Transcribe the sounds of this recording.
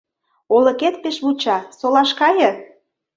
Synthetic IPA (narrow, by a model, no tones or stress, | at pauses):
olə̆ket̪̚peʃβut͡ɕɑsolɑʃkɑjə̆